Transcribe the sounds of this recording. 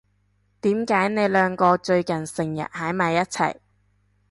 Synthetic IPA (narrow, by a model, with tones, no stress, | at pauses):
t̪iː˨˥mkaː˨˥jne˨˧jlœː˨˧ŋkɔː˧t͡ʃɵ˧ɥkɐ˨˩nsɪ˨˩ŋjɐ̰˨t̚haː˨˥jmaː˨˧jɐ˥t̚t͡sʰɐ̰˨˩j